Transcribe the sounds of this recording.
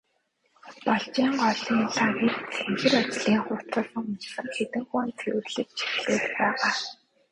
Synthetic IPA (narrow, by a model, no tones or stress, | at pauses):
pɔɮt͡ɕiːŋɢɔɮiːnt̪ʰakit̪t͡sʰeŋxɘ̆rɔt͡ɕɮiːŋχʊr̥t͡s̪ə̆ɮsə̆ŋʊt͡ɕsə̆ŋxet̪ɘ̆ŋxuːnt͡sʰew̆rɮɘ̆k̚t͡ɕʰi̥xɮeːɮpæːʁaː